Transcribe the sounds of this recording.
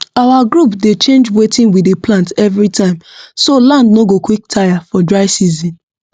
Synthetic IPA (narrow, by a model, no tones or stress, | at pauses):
awaɡɾupdet͡ʃẽnd͡ʒwetɪ̃nwideplãntɛvɹitãɪ̃msolãndnoɡokwik̚tʰajafɔdɹaɪsizĩn